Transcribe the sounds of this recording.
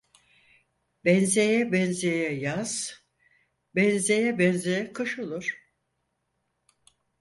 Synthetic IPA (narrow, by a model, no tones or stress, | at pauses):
bɛnzejɛbɛnzejɛjaz̥ | bɛnzejɛbɛnzejɛkʰɯʃolˠuɾ̥